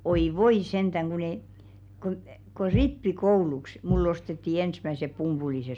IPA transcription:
oi ʋoi sentæŋ kun e ku ku ripːikouluks mulː ostetːi ensmæsep pumpulises

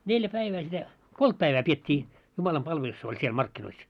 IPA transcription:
neljæ pæiʋæː sitæ kolt pæiʋæː pietʲːiː jumɑlɑmpɑlʋelus olʲ siel mɑrkːinois

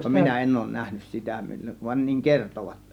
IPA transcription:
minæ en oˑŭn næhnys sitæ mil ʋɑn niŋ kertoʋɑt

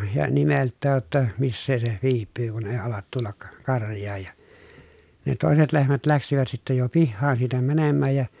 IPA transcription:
jɑ nimeltːæːj jotːɑ misːeː se ʋiːpːyː kun eˑi ɑlɑt tulːɑk kɑrjˑɑːj jɑ ne toˑeset lehmæt læksiʋæt sitːæ jo pihːɑːn siːtæ mænemːæːj jɑ

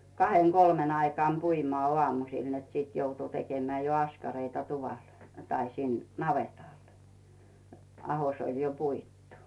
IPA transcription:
kɑheŋ kolmen ɑikɑːm puimŏɑˑ ŏɑˑmusil net sit joutu tekemĕæ jo ɑskɑreitɑ tuʋɑl tɑi sin nɑʋetɑl ɑhos olʲ jo puitːu

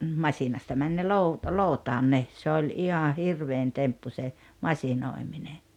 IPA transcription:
mɑsinɑstɑ mæn ne lou loˑutɑːn ne se olʲ ihɑ hirʋein tempːu se mɑsinoˑimine

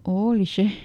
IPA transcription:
oːli se

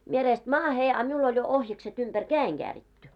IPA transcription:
mie reːst mɑːhe ɑ miul olʲ jo ohjɑkset umb̥ær kæːeŋ ɡ̊æːritːy

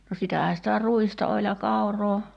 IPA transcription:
no sitæhæ sitæ ruistɑ olʲ jɑ kɑuroː

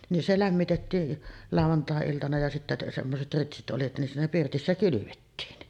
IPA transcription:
nin se læmːitetːiː lɑˑuʋɑntɑˑeiltɑnɑ jɑ sitːæ semːoset ritsit ʔoli nin siːnæ pirtisːæ kylyʋetːiːn

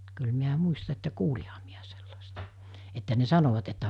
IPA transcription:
kyl miæ muistɑ etːæ kuːlihɑ miæ selːɑstɑ̥ etːæ ne sɑnoʋɑt etːæ

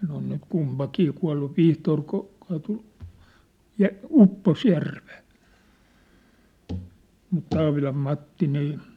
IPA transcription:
ne on nyt kumpɑkiː kuɑ̝lːu ʋihtoːr ku kɑːtu jɑ upːos jærʋe̥ː mut tɑːʋilɑm mɑtːi niː

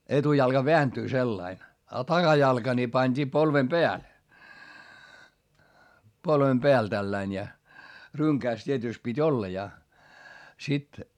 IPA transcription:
etujɑlkɑ ʋeæntyː selːɑin ɑ tɑɡ̊ɑjɑlkɑ ni pɑnʲd̥iː polʋem b̥eæl polʋem b̥eæl tælːæin jɑ ryŋkæːs tʲietyˑst pitʲ olːɑ jɑ sit

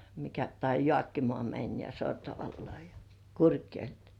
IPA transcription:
mikæ tɑi jŏɑˑkːimŏɑˑ mænʲ jɑ sortɑʋɑlːŏɑˑ jɑ kurkjoe̝l

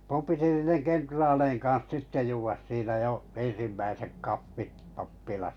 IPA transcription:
mum piti niːneŋ kentrɑːleiŋ kɑ̃ːs sitːe juːʋɑs siːnæ jo en̞simːæisek kɑfːit pɑpːilɑsɑ̥

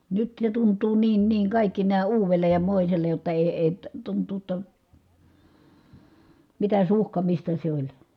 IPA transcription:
nyt ne tuntˑuː niːn niːŋ kɑˑikːi næː uːʋelˑej jɑ moˑiselˑej jotːɑ eˑi̯ eˑi tuntˑuː tːɑ mitæ suhkɑmistɑ se olʲ

